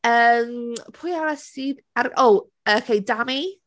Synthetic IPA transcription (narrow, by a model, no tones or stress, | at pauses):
əːmpʰʊjaɾasiːð | arʔow | əkʰejdami